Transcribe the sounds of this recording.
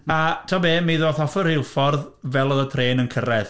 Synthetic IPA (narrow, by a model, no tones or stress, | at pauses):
atʰabeːmiðoːθɔfɔɾɪlˠfɔrðvɛlˠɔðətʰreːnənkʰəɾɛð